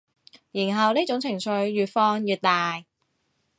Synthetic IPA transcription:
jiː˨˩nɦɐ˨wniː˥t͡ʃʊ˨˥ŋt͡sʰɪ˨˩ŋt͡sʰɵ˨˧ɥːyː˨t̚fɔː˧ŋjyː˨t̚t̪aː˨j

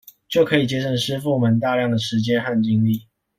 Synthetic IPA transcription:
t͡ɕjo˥˩ʊkʰɤ˧˦i˨˩t͡ɕjɛ˥ʂə˥˩nʂɻ̩˥fu˥˨mə˨˦nt̪̬a˥˧ljɑ˥˩ŋd̪ə˩ʂɻ̩˧˦t͡ɕjɛ˦nxa˥˨nt͡ɕi˥ŋli˥˨

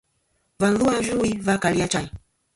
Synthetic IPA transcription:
va˨nðu˦a˦ʒu˦i˦va˦ka˨li˦a˦t͡ʃa˦i˨

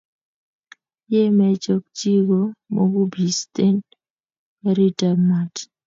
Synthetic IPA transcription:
je˦mɛ˦t͡ʃo˦k̚t͡ʃi˦ɡo˦mo˦ɡu˦bi˨ste˦n | ɛ˦ɾi˦ta˨rma˦t

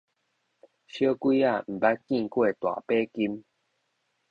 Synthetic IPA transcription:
ɕjə˦kwi˦a˥˨m̩˨˩ba˦t̚ki˥˧˨ŋkwe˥˨t̪wa̰˨pe˦ki˦m

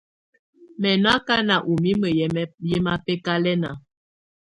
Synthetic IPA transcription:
mɛ˨n˦a˦ka˦na˨ʔu˨mi˦mə˨jɛ˦ma˦pɛ˦ka˦lɛ˦na̰˨

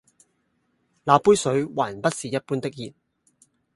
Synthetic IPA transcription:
laː˨˧puː˥jsɵ˨˧ɥwaː˨˩npɐ˥t̚siː˨˩jɐ˥t̚puː˥nt̪ɪ˥k̚jiː˨t̚

